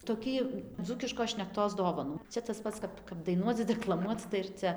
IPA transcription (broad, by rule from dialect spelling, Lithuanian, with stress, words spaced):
toːˈkʲiː ˈd͡zuːkʲɪʃkoːs ʃʲnʲɛkˈtoːs ˈdoːʋɐnuː ˈt͡ʃʲɛ tɐs ˈpɐts ˈkɐp kɐp dɐɪˈnuɔt͡s dʲɛklˠɐˈmuɔt͡s tɐɪ ɪr ˈt͡sʲɛ